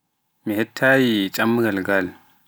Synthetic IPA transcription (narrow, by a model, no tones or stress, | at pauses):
mihetʰːajit͡ʃʼamːɡɐlɡal